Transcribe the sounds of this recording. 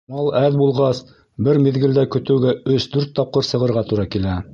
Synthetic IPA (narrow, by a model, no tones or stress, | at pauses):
mɑlˠæðbulˠʁɑs | bɘɾmĭðɡɘ̆ld̪ækɵ̆t̪ɘ̆wɡæɵsd̪ʉɾt̪ːɑp̚qɤɾsɤ̆ʁɤ̆ɾʁɑt̪uɾɑkilæ